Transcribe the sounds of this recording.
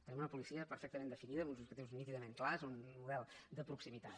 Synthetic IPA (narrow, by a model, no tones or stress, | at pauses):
t̪ənimunəpulisiəpəɾfɛk̚t̪əmend̪əfiniðəmunz̬ukət̪iwznit̪iðəmeŋklazunmuðɛlˠd̪əpɾuksimit̪at̪